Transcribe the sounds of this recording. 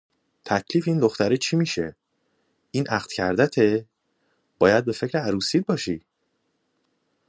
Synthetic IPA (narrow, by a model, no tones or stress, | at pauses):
t̪ʰæcʰliːfiːnd̪o̞xt̪æɾit͡ʃʰiːmiːʃe̞̰ | ʔiːnʔæxd̪̥cʰæɾd̪æt̪ʰe | b̥ɒːjæd̪̚be̞fe̞cʰɾeæɾuːsiːd̪̚bɒːʃiː